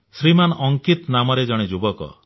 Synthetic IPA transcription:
sɾimanʔɔŋkit̪namɔɾed͡ʒɔɽ̃ed͡ʒubɔkɔ̰

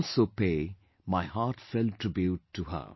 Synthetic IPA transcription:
lsoːpeː | maɪhaːɾʈfɛltɾɪbjuʈʰːuɦə̰

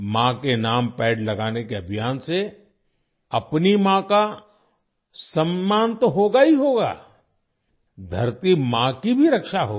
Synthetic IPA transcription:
mãkenaːmpɛːɖlɐɡaːnekeɐbʱijaːnse | ɐpnimãka | sɐ̃mːãːnt̪oɦoːɡaiɦoːɡa̰ː | d̪ʱɐɾt̪imãkibʱiɾɐkʃaɦoːɡ

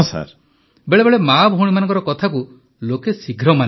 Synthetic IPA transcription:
sa̰ɾ | beɭebeɭemabɦuɽimanɔ̃ŋkɔɾɔkɔt̪ʰaku | lokesiɡʱɾɔmane

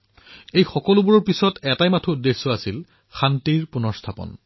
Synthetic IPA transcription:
ejxɔkɔlʊbuɹɔɹpisɔtɛtajmatʰuudːesːɔasil | xantiɹpunɔɹstʰapɔ̰n

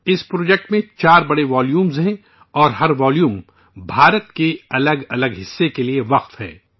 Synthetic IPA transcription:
ɪspɾoːd͡ʒɛːk̚ʈmẽt͡ʃaːɾbɐɽeʋaːljuːmzɦɛ̃ | ɔːɾɦɐɾʋɔːljũːm | bʱaːɾət̪keɐləɡɐləɡɦɪsːekelieʋɐqt̪ɦɛ̰ː

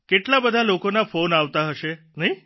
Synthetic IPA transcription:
keʈlabəd̪ʱalokonafonaʋt̪aɦəʃe | nəɦĩ

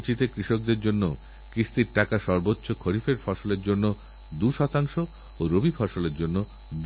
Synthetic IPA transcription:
t͡ɕit̪ekɾiʃok̚d̪eɾd͡ʑonːo | kɾist̪iɾʈakaʃɔɾbotːɕokʰoɾifeɾfɔʃoleɾd͡ʑonːo | d̪uʃɔt̪aŋʃo | oɾobifʰɔʃoleɾd͡ʑonːo | d̪

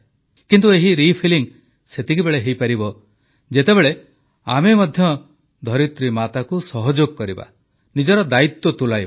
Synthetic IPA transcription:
kint̪ueɦiɾipʰiliŋ | set̪ikibeɭeɦejpaɾibɔ | d͡ʒet̪ebeɭe | amemɔd̪ʱjɔ | d̪ʱɔɾit̪ɾimat̪akusɔɦɔd͡ʒoɡkɔɾiba̰ | nid͡ʒɔɾɔd̪ait̪wɔt̪ulajb

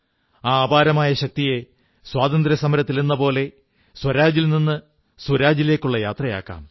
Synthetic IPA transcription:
aːbaːɾɐmaːjɐɕɐk̚t̪ije̞ | swaːd̪ɐnd̪ɾɐsɐmɐɾɐt̪ːilinːɐpo̞ːle̞ | swɐɾaːd͡ʑilninːɨ | swɐɾaːd͡ʑile̞ːkːuɭːɐjaːt̪rɐja̰ːkːa̰ːm

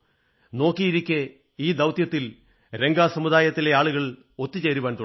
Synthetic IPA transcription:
no̞ːkːijiɾikʲːe | iːd̪ɐwt̪jɐt̪ːil | ɾe̞ŋɡaːsɐmud̪aːjɐt̪ːile̞aːɭuɣɐɭ | o̞t̪ːit͡ɕe̞ːɾuʋaːnt̪u

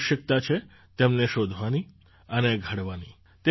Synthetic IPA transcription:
ʃjək̚t̪at͡ʃʰe | t̪emneʃod̪ʱʋani | əneɡʱəɽʋani | t̪e

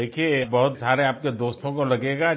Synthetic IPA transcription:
eːkʰiebɐɦʊt̪saːɾeaːp̚ked̪oːst̪õkolɐɡeːɡa

